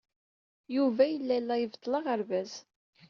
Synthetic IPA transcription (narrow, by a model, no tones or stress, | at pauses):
juvæjəlːælːæjəvt̪ˤːləʁəɾvæz̥